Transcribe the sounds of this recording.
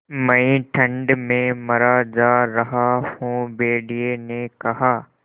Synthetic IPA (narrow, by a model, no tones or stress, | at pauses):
mɐĩʈʰɐ̃ɳɖmẽmɐɾad͡ʒaːɾɐɦahõːbeːɖienekɐɦaː